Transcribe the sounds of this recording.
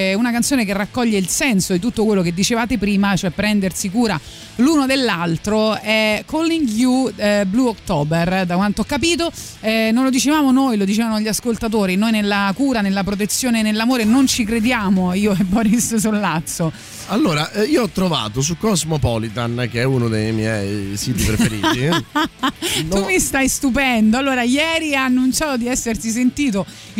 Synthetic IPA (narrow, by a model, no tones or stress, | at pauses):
unakant̪sjoːnekerːakːɔʎːeilsɛnsod̪it̪ut̪ːokwelːoked̪ːit͡ʃevaːt̪epɾiːmat͡ʃoɛpːɾɛnd̪ersikuːɾa | luːnod̪elːalt̪ɾoɛkolːiŋɡjubluokt̪ɔːberd̪akwant̪oɔkːap̬iːt̪̬o | ɛnonlod̪it͡ʃevaːmonojlod̪it͡ʃevanoaʎːiaskolt̪at̪̬oːɾinojnelːakuːɾanelːap̬ɾot̪̬et̪sːjoːnenelːamoːɾenont͡ʃikɾed̪jaːmoiːoɛbɔɾissulːat̪sːo | alːoːɾaʔiːoɔt̪ːɾova̰ːt̪os̬ukːɔzmopɔlit̪ankeɛuːnod̪ejmjɛjsiːt̪ipɾeeɾiːt̪i | t̪umist̪ajst̪up̬ɛnd̪oalːoːɾajɛːɾianːunt͡ʃaːt̪od̪iɛsːert̪is̬ent̪iːt̪̬o